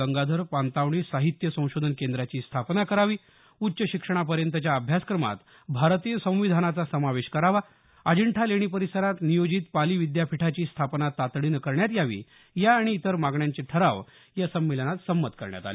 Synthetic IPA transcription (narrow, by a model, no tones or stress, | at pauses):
əŋɡad̪ʱəɾpant̪aʋɳisaɦit̪jəsə̃w̃ɕod̪ʱənkend̪ɾat͡ɕiːst̪ʰapnakəɾaʋiː | utːɕəɕikʂəɳ̃apəɾjənt̪ət͡ɕjaəbʱjaskɾəma̰t̪ | bʱaɾt̪iːjəsə̃w̃ʋid̪ʱanat͡sasəmaʋeɕkəɾaʋa | əd͡ʑəɳʈʰaleɽ̃ipəɾisəɾat̪nijod͡ʑit̪paliːʋid̪japʰiʈʰat͡ɕiːst̪ʰapnat̪ːat̪ɽiːnəkəɾɳjat̪jaʋḭː | jaːɽ̃iːt̪əɾmaɡɳjaɲt͡seʈʰəɾaʋ | jasəmːilənat̪səmːət̪kəɾɳja̰t̪a̰li